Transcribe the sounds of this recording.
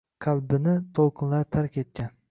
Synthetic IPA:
qʰalˠbɪnɪt̪ʰolˠqʰɨnlaɾt̪ʰaɾkʲe̞t̪̚kʲan

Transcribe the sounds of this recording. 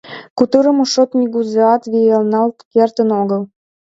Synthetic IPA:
kut̪əɾə̆moʃot̪mʲiɣuzeɑt̪βielnɑlt̪kert̪ənoɣəl

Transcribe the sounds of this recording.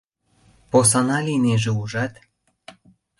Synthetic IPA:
pos̬ɑnɑlʲineʒĕuʒɑt̪

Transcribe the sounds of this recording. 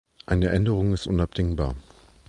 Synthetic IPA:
ʔaɪnəʔɛndəʁ̞ʊŋɪstʔʊnap̚d̥ɪŋba̰ːɐ

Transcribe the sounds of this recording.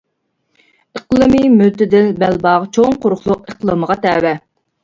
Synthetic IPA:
əqlˠɨmimylt̪ɪd̪ɪlbælbɑʁt͡ʃʰoŋqʊɾʊχlˠʊqəqlˠɨməʁɑt̪ɛːwɛ

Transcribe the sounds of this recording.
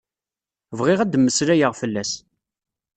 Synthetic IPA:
vʁɪʁæd̪mːəsɾæjəʁfəlːæs

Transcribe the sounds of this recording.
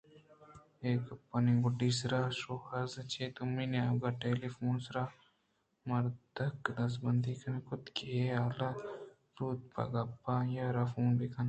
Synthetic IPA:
eːkpːɐniɡʊɖisɾaːʃohɐɾzɐt͡ʃʰeːt̪ʊmineaɡaʈeːlifoːnsɾaː | mɐɾd̪ɐkd̪ɐs̬bɐnd̪ikʰɐnkʊt̪keeaːla | ɾuːt̪̚pɐ̰ɡɐpːajaɾɐfuːnbekʰɐn

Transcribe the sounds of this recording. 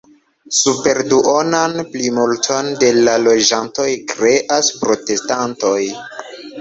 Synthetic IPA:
supe̞ɾduʔo̞nanplimultʰo̞nde̞lalo̞d͡ʒanto̞jkɾe̞ʔaspɾo̞te̞stanto̞j

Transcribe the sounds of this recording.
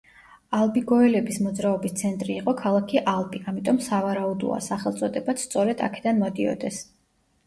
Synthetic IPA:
alˠbiɡɔɛlɛbismɔd̪zɾaɔbist̪sʰɛnt̪ʼɾiːqʼɔkʰalˠakʰiʔalˠbiʔamit̪ʼɔmsavaɾaud̪ṵa̰saχɛlˠt̪sʼɔd̪ɛbat̪sʰt̪sʼɔɾɛd̪a̰kʰɛ̥d̪anmɔd̪iɔ̰d̪ɛs

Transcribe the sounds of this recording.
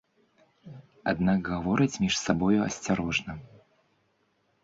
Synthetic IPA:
a̰d̪nakɣavɔɾɨt͡sʲmʲiʂsabɔjuɐ̰sʲt͡sʲaɾɔʐnɐ

